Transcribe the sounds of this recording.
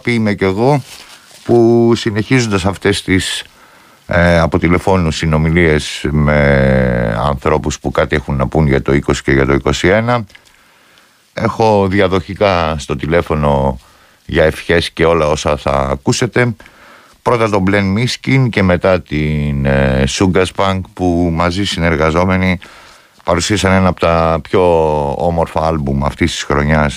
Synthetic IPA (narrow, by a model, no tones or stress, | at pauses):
pimece̞ɣo̞ | pusine̞çizo̞nd̪ɐsɐft̪e̞st̪is | ɐpo̞t̪ile̞fo̞nusino̞milie̞sme̞ | ɐ̰nθɾo̞puspukɐt̪ie̞xunːɐpunʝɐt̪o̞iko̞si̥ce̞ʝɐt̪o̞iko̞sie̞nɐ | e̞xo̞ðiɐðo̞çikɐst̪o̞t̪ile̞fo̞no̞ | ʝɐefçe̞sce̞o̞lɐo̞sɐθɐ̰ːkuse̞t̪e̞ | pɾo̞t̪ɐt̪o̞ble̞nmiscince̞me̞t̪ɐt̪insuŋɡɐspɐŋɡpumɐzisine̞ɾɣɐzo̞me̞ni | pɐɾusiɐsɐne̞nɐpot̪ɐpço̞omo̞ɾfɐɐlbumɐft̪ist̪i̥sxɾo̞ɲɐs